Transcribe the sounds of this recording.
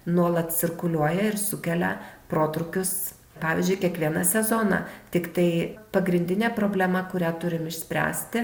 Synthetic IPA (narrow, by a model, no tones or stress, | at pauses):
nuɔlˠɐt̪t͡s̪ʲɪrkʊlʲuɔjɛɪɾsʊkʲɛlʲɛ̰pɾoːt̪ɾʊkʲʊs | pɑːʋʲɪzʲd͡ʒʲʊɪkʲiɛkʋʲiɛnɐsʲɛzoːnɑ̰ːt̪ʲɪkt̪ɐɪpɐɡɾʲɪnʲd̪ʲɪnʲeːpɾoːbʲlʲæmɐkʊɾʲæːt̪ʊɾʲɪmɪʃʲsʲpʲɾʲæ̰ːsʲt̪ʲɪ